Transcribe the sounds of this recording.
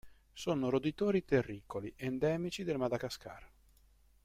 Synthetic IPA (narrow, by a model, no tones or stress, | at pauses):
soːnoɾod̪it̪oːɾit̪erːikoliʔend̪ɛːmit͡ʃid̪elmad̪akaska̰r